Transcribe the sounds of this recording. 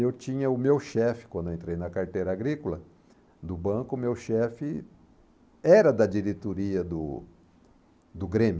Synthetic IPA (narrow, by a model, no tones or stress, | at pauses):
ewt͡ʃĩɲɐʊmewʃɛfɪ̥kwɐ̃d̪eẽnt̪ɾejnɐkaɾt̪ejɾɐaɡɾikʊlɐ | d̪ʊbɐ̃kʊːmewʃɛfɪ | ɛɾɐd̪ɐd͡ʒiɾet̪oɾiɐd̪ʊ | d̪ʊɡɾẽmj